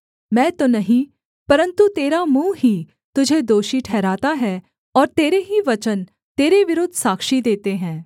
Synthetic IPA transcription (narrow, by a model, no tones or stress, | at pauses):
mɛ̃ːt̪oːnəɦĩː | pəɾə̃nt̪ut̪eːɾaːmuːɦiː | t̪ʊd͡ʒʱed̪oːʃiʈʰɛːɾaːt̪aɦɛː | ɔːɾt̪eːɾeɦiːʋət͡ʃən | t̪eːɾeʋɪɾʊd̪ʱsaːkʃid̪eːt̪eɦɛ̃ː